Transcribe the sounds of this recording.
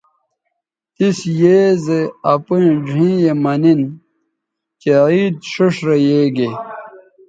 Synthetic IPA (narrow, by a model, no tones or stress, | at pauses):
t̪isjeːzeɐpũd͡ʑʱĩːjemɐnin | keiːd̪ɕuʂɾejeːɡe